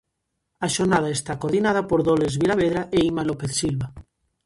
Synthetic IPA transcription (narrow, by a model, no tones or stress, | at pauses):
aʃoɾnað̞aest̪akoɾðinaðapoɾðolezβilaβ̞eð̞ɾaʔeimalopeθsilβa